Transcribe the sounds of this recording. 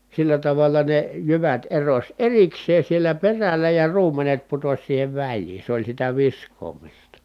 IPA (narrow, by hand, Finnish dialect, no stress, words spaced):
silːæ tɑʋɑlːɑ ne jyʋæt erosʲ erikseːn̞ sielæ perælˑæ jɑ ruːmˑenet putosʲ siːheʋ ʋælʲliːn̞ se olʲ sitæ ʋiskˑoːmistɑ